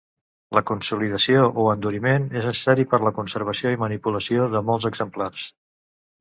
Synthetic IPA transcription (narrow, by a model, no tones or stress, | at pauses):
ləkunsuliðəsioʔoənd̪uɾimeneznəsə̥saɾipəɾləkunsəɾβ̞əsioimənipuləsioðəmɔlˠzəɡzəmplars